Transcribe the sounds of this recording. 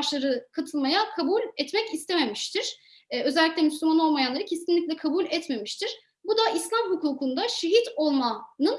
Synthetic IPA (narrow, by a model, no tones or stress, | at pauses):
ʃˠaɾɯkʰat̪ʰɯlˠmajakʰabulʲɛt̪mɛcist̪ʰeme̞miʃt̪ʰiɾ̥ | ø̞zɛlʲːicʲlʲɛmyslʲymano̞lˠmajanˠaɾɯcʰesinlʲiclʲɛkʰabulʲɛt̪me̞miʃt̪ʰiɾ̥ | bud̪aʔislʲamɦukuːkund̪aʃeɦit̪o̞lˠmanɯn